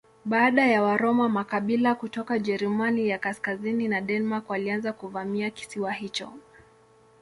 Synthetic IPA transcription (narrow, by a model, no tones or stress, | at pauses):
ɓaːɗajawaɾɔmamakaɓilakutɔkad͡ʒɛɾɛmanijakaskazininaɗɛnmakwalianzakuvamiaki̥siwahit͡ʃɔ̰